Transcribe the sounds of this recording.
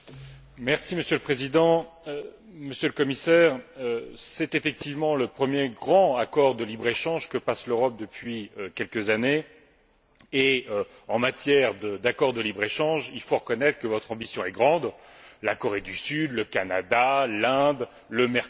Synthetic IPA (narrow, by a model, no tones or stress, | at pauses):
mɛʁsiməsjølpχezid̪ɑ̃ | ø | məsjøləkɔmisɛʁøsɛt̪efɛk̚t̪ivmɑ̃ləpχəmjeɡʁɑ̃akɔʁd̪əlibʁeʃɑ̃ʒkəpasløʁɔp̚d̪əpɥiøkʲɛlkəzane | eø | ɑ̃mat̪jɛʁd̪əd̪akɔʁd̪əlibʁeʃɑ̃ʒilfoʁəkɔnɛt̪χə̥kəvɔt̪χɑ̃bisjɔ̃ɛɡʁɑ̃d̪lakɔʁed̪ysyd̪ləkanad̪alɛ̃d̪ | ləmɛʁ